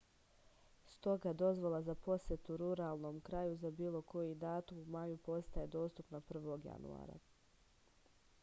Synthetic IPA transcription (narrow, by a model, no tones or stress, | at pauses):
st̪o̞ɡad̪o̞zʋolˠazapo̞sjet̪uɾuɾaːlˠno̞ːmkɾajuzabiːlˠo̞ko̞jid̪aːt̪umumajupo̞st̪ae̞d̪o̞ːst̪upnapr̩ʋo̞ɡja̰nṵa̰ːɾa̰